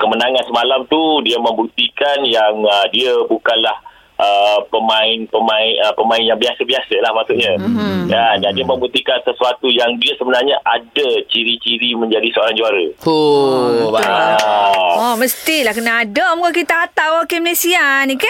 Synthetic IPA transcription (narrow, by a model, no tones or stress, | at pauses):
kəmənaŋansəmalamt̪udiamə̃mbut̪ikanjaŋədiəbukanlah | ʔəpəmaɪnpəmaɪnəpəmãɪnjaŋbiasəbiasəlahmasuʔɲaɡandandiamə̃mbut̪ikansəsuat̪ujaŋdiasəbənarɲaʔadat͡ʃiɾit͡ʃiɾimə̃ɲd͡ʒadisəoɾaŋd͡ʒuaɾəo | a | ɔməst̪ilahkənaːdəmukakit̪aːt̪awokeməlesianika